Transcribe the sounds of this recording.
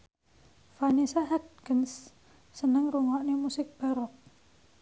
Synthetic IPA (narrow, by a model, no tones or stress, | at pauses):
fanisaɦad̪̚ɡənsː | ənəŋruŋɔʔnemusɪk̚b̥aɾɔk̚